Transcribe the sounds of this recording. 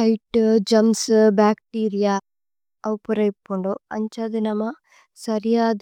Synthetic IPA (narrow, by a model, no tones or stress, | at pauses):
ɐjʈːd͡ʒɐmsbaːkʈiːɾijaː | ɐwpuɾɐjpːuɳɖoɐɲt͡ʃɐd̪inɐmɐ | sɐɾijaːd̪